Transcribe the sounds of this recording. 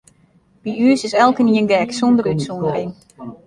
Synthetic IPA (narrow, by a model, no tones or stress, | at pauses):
biyəsɪsɛlˠkəniənɡɛːksondərytsondərin